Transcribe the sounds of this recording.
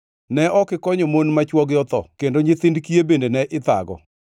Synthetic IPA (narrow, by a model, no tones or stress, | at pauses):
nɛʔɔkɪkɔɲɔmonmat͡ʃwɔɡjɔt̪ɔ̰kendoɲɪt̪ɪndkiebendenɛʔɪt̪a̰ɡɔ̰